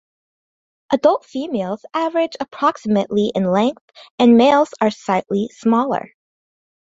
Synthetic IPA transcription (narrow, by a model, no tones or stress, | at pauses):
ʔədʌlˠtfimeɪlˠz̥ævə˞ɨd͡ʒɨpʰɹ̥ɑksɨmɨʔliʔɪ̃nlɛ̃ŋk̚θɨ̃nmeɪlˠz̥ə˞saɪʔlismɔlˠə̰˞